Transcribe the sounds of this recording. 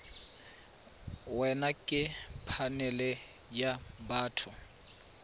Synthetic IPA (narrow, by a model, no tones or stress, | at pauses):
wɛnakʼɪpʰanɛlɛ | jabaːtʰʊ